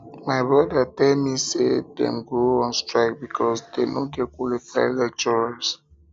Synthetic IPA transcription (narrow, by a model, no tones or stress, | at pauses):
majbɹɔdətɛlmisedɛ̰̃mɡoɔ̃nstɹaɪk̚bikʰɔsdenoɡɛt̚kwɔlifajlɛt͡ʃɔs